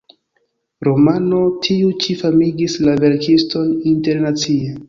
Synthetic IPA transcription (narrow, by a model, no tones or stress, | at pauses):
ɾo̞mano̞tʰiut͡ʃifamiɡislave̞ɾkisto̞ninte̞ɾnat͡sie